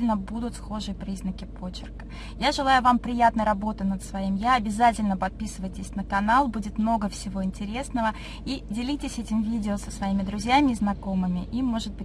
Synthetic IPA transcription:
ɪlʲnəbud̪ʊt̪sxo̞ʐɨjəpɾʲiznəkʲɪpo̞t͡ɕːɪ̰rkə̥ | jaʐɨlˠajʊvampɾʲɪjat̪nəjɾɐbo̞t̪ɨnət̪svɐimjaɐbʲɪzatʲɪlʲnəpɐt̪̚pʲisɨvəjtʲɪsʲnəkɐnalˠbudʲɪt̪mno̞ɡəfsʲɪvo̞ɪnʲtʲɪɾʲe̞snəvə | idʲɪlʲitʲɪsʲɛtʲɪmvʲidʲɪosə̥svɐimʲɪd̪ɾʊzʲjamʲɪːznɐko̞mɨmʲɪʔiːo̞ʐɨd̪̚bɨ

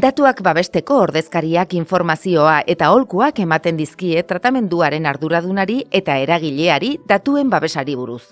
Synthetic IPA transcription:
d̪at̪uakbaβ̞e̞st̪e̞ko̞ːɾðe̞skaɾiakiɱfo̞ɾmasio̞aʔe̞t̪ao̞lkuake̞mat̪e̞nd̪iskie̞t̪ɾat̪ame̞nd̪uaɾe̞naɾðuɾað̞unaɾie̞t̪ae̞ɾaɣ̞iʎe̞aɾiðat̪ue̞mbaβe̞saɾiβ̞uɾus

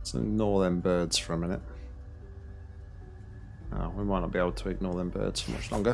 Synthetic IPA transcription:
sə̰ʊnɔːðənbɜːdz̥fəɹəmɪnɪt | ə̰wimaɪnɒʔb̥ieɪbl̩ˠtʰəɪɡ̚nɔːðə̃nbɜ̰ːdz̥fəmʌ̰t͡ʃlɒ̰̃ŋɡə

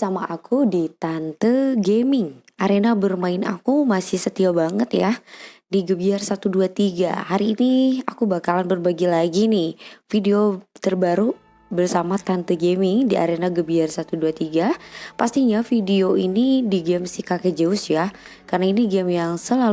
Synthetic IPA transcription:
samaakʰudit̪ant̪əɡemɪŋ | aɾenabərmaɪna̰kumasɪhsət̪iabaŋət̪jadiɡəbiarsat̪uduat̪iɡa̰haɾiːniakubakalanbərbaɡilaɡinɪhfideot̪ərbaɾu | bərsamat̪ant̪əɡemɪŋdia̰ɾenaɡəbiarsat̪uduat̪iɡapast̪iɲafideoinidiɡɛmsikakəd͡ʒəʊsja | karnainiɡɛmjaŋsəla

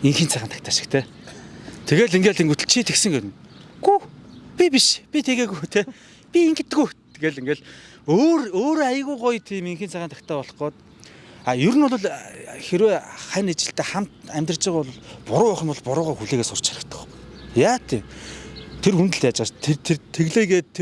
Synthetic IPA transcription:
iŋxiːnt͡sʰæːχənt̪ʰḁkt̪aːʃɪ̥kt̪ʰeː | t̪ʰeɣeːɮiŋɡeːɮt̪eŋɡut̪ɵ̆ɮt͡ɕʰit̪ʰeksɘ̆ŋɡet̪ɘ̆nɡupʲipiʃpʲit̪ʰeɣeːɣut̪ʰeː | pʲiiŋɡɘ̆t̪̆ɣuj̪ʰ | eɣeːɮiŋɡeːɮ | oːɾoːɾoajə̆ɣuːɢʊjt̪ʰiːmiŋxiːnt͡sʰæːχənʰḁkt̪aːpɔɮɞ̆χɢɔːt̪̚ | aːjɵɾɘ̆nʊɮʊ̆ɮxeɾweːχæːnet͡ɕɪ̆ɬt̪eːχam̥t̪æmʲt̪rərt͡ɕɪ̆ːʁʊɮʊ̆ɮpʊɾʊːʊχə̆mpʊɮpʊɾʊːʁaːxuɮeːɣeːsʊr̥t͡ɕχaɾə̆kt̪ə̥̆χ | jaːt̪ʰe | t̪ʰerxunt̪ɘ̆ɮt̪jaːt͡ɕast̪ʰet̪ʰet̪ʰeɣɮeːɣeːt̪ʰːe

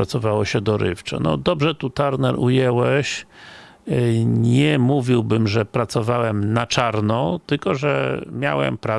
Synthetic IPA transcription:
ɾatsɔvawɔɕɛd̪ɔɾɘ̰ft͡ʂa̰nɔ̰d̪ɔbʐɛt̪ut̪aɾnɛɾujɛwɛɕ | ɲɛmuvʲiwbɘmʐɛpɾat̪sɔvawɛmnat͡ʂaɾnɔt̪ɘlkɔʐɛmʲjawɛ̰mpɾa

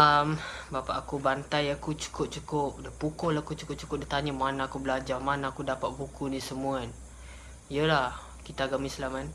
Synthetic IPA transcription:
ambapa̰ʔakubant̪ajakut͡ʃu̥kʊp̚t͡ʃukʊp̚dəpukɔlakut͡ʃukʊp̚t͡ʃu̥kʊp̚dət̪aɲəmanaːkubəlad͡ʒamanaːkudapaʔ̪̚bukʰunĩsəmuan | ijəlah | kit̪aɡamislaman

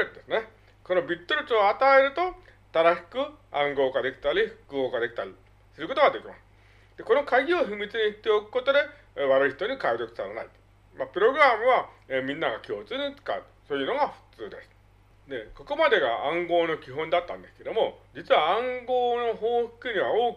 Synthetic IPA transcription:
d̪esɨne̞ | ko̞nobʲit̪ːoɾʲit͡sːat̪ae̞ɾɯ̟t̪o̞ | t̪aɾaɕi̥kɯ̟ãŋɡo̞ːkad̪e̞kʲi̥t̪aɾʲiɸɯ̟̥kɯ̟o̞ːkad̪e̞kʲi̥t̪aɾʲi | sɨɾɯko̞t̪o̞ɡad̪e̞kʲima̰sɨ̥ | d̪̥e̞ko̞no̞kaɡʲioɸɯmʲit͡sɨɲ̟içit̪ːe̞okɯ̟̥ko̞t̪o̞d̪e̞ | βaɾɯiçi̥t̪o̞ɲ̟ikaid̪o̞kɯ̥saɾana̰it̪ | mapɯ̟ɾo̞ɡɯ̟ɾamɯ̟βa | mʲĩnːaɡakʲo̞ːt͡sɨːɲ̟it͡sɨ̥ka̰ɯ̟t̪soːjɯ̟no̞ɡaɸɯ̟̥t͡sɨːd̪e̞sɨ̥ | d̪e̞ko̞ko̞mad̪e̞ɡa̰ãŋɡo̞ːno̞kʲiɦõ̞nd̪at̪ːã̰nd̪e̞sɨ̥ke̞d̪o̞mo̞d͡ʑit͡sɨβaãŋɡo̞ːno̞ɦo̞ːɸɯ̥kɯɲ̟iβ̞aoː

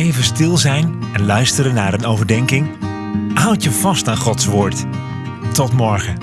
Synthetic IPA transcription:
ejvənstɪlˠzɛjn | ɛnlœɥstəɾənːaːɹənowvəɹdɛŋkɪŋ | ɦʌwtjəvɑstaːnχɔtsʋʊːɹt | tɔtmɔɹχə

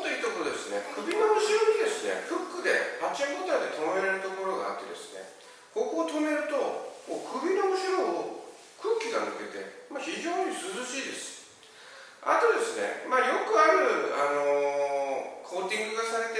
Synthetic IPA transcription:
t̪oiːt̪okoɾod̪e̞sɨne̞̰kɯ̟bʲino̞ɯɕiɾoɲ̟id̪e̞sɨne̞̰kɯ̟kːɯ̟d̪e̞̰hat͡ɕaŋbot̪aid̪e̞t̪ʰomeɾeɾɯ̟t̪o̞ko̞ɾo̞ɡa̰ːt̪ːe̞d̪e̞̰sɨ̥ne̞̰ | ko̞koːt̪o̞me̞ɾɯ̟t̪o̞koːkʰɯ̟bʲino̞ɯɕiɾo | kɯ̟ːkʲiɡanɯ̟ke̞t̪e̞̰maçiʑo̞ːɲ̟isɨzɨɕiːd̪e̞sɨ̥ | a̰t̪o̞d̪e̞sɨne̞̰majo̞kɯ̟aɾɯ̟ano̞ | kʰo̞ːt̪ʲĩŋɡɯ̟ɡasaɾe̞t̪e

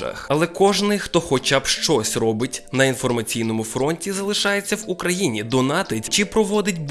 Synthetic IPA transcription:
ɐ̰xɐlˠɛkɔʒnɪjxt̪ɔxɔt͡ʃabʃt͡ʃɔsʲrɔbɪtʲnɐinfɔrmɐt͡sʲijnɔmʊfɾɔnʲtʲizɐlˠɪʃɑjet͡sʲːɐwukɾɐjinʲid̪ɔnɑt̪ɪt͡ʃɪpɾɔʋɔd̪ɪtʲb

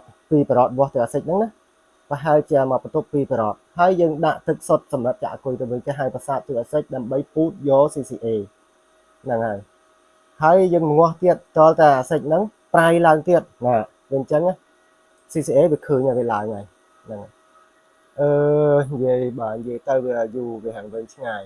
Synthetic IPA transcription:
piːpɔɾoːt̪̚ʋŏəht̪ɨwʔaːsəc̚nɨŋnah | pəɦaɛlt͡ɕiəmaːpət̪upːiːpɔɾɔːt̪̚haəjːəːŋɗaʔt̪ɨk̚sot̪̚sɑmrəp̚t͡ɕa̰ʔakʊjt̪ɨwʋɨːt̪eəɦaəjpasaːt̪ːɨʔaːsəc̚ɗaəmɓəjpuːt̪̚jɔːsiːsiːʔeː | nɨŋhaəj | haəjjəːŋməŋŏəht̪iət̪̚t̪ŏəlt̪aːʔaːsəc̚nɨŋ | prajlaəŋt̪iət̪̚naː | ʋiəɲt͡ɕəŋah | siːsiːʔeːʋiəkʰəːɲaʋiəlaəŋaj | nɨŋa | ʔəːɲjiəjɓaːɲjiəjt̪ɨwʋiəajuːʋiɦaŋʋɨɲt͡ɕʰŋaːj

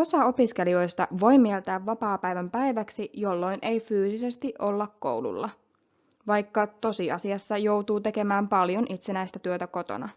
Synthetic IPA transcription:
o̞sɑo̞pisk̟e̞lio̞jst̪ɑ̰ʋo̞jmielt̪æːʋːɑpɑːpæjʋæmpæjʋæksijo̞lːo̞jnʔe̞jfyːsise̞st̪iʔo̞lːɑkko̞̰wlṵlːɑ | ʋɑjkːɑt̪o̞siɑsiɑsːɑjo̞wt̪uːt̪e̞ke̞mæːmpɑljo̞nʔit̪se̞næjst̪æt̪yøt̪æko̞t̪o̞̰nɑ̰

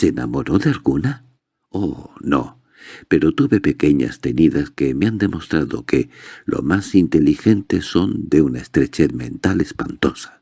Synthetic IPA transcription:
seena̰mo̞ɾo̞ðealɣuna | ono̞ | pe̞ɾo̞t̪uβe̞pe̞ke̞ɲa̰st̪e̞niðaske̞meand̪e̞mo̞st̪ɾaðo̞kelʔo̰masint̪e̞lixe̞nt̪e̞sːo̞nd̪e̞unaest̪ɾe̞t͡ʃe̞ðmẽ̞̰nt̪ale̞spa̰nt̪o̞sḁ

